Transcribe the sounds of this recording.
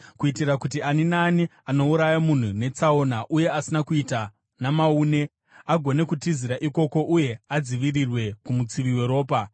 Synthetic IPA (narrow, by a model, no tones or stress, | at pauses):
kuitirakutianinani | ano̞uɾajamun̤une̞t͡sao̞naʔuje̞asinakuita | namauːne̞ | aɡʱo̞ne̞kutiziɾaʔiko̞ko̞ʔuje̞ad͡ziʋirirwe̞kumut͡siʋiwe̞ɾo̞ːpa